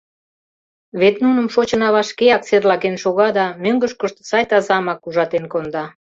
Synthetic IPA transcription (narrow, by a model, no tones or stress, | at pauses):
βet̪nunə̆mʃot͡ɕənɑβɑʃkeɑk̚t͡serlɑkenʃoɣɑd̪ɑmøŋɡəʃkoʃt̪sɑjt̪ɑzɑmɑkuʒɑt̪enkond̪ɑ